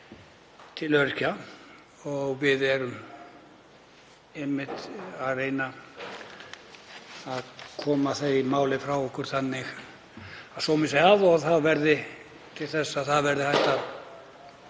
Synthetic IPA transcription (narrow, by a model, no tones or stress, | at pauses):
t̪ʰɪlœɾca | ɔɣvɪðɛɾʏm | ɪmːɪht̪aðreːjna | aðkʰɔːmaθejmaːwlɪfɾawɔhkʏɾ̥θanːɪx | aðsɔwmɪsejaðɔðθaðvɛɾðɪ | t̪ʰɪlθɛsːaθaðvɛɾðɪhajht̪a